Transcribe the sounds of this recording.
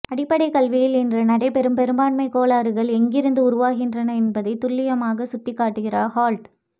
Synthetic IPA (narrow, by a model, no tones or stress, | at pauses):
ɐɽɪpːɐɽɐɪkɐɭʋɪjɪlɛndrɐnɐɽɐɪpɛɾɯmpɛɾɯmbaːnmɐɪkːoːɭaːɾɯɣɐɭɛŋɡɪɾɯnd̪ɯʊɾʊʋaːɣɪndrɐnɐɛnbɐðɐɪt̪ʊɭːɪjɐmaːɣɐsʊʈːɪkːaːʈːɯɣɪraːɾhaːɭʈ